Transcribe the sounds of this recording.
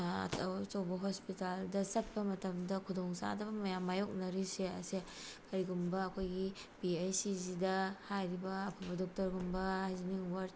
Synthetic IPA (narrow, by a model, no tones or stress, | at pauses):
ɐ̰tʰɐwt͡ʃawbɐɦɔspitaldɐsɐt̚pɐmɐtɐmdɐkʰudɔŋsa̰dɐmɐjamːajok̚nɐɾiseɐ̰sekɐɾiɡumbɐːkʰojɡi | biajsizidɐhajɾibɐːpʰɐbɐdɔk̚tɐɾɡumbɐajziniŋwaɾ